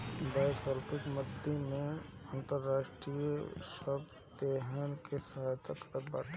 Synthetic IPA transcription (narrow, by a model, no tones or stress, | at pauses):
baːjokɔlpɪkməd̪ʱemẽə̃nt̪əɾːaːʃʈɾijsəb | t̪eɦɛnkesat̪akba̰ːʈʰ